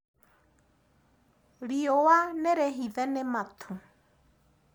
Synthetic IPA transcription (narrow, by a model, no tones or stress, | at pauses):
ɺiowanɛɾɛɦiðɛnɛmat̪ʰʊ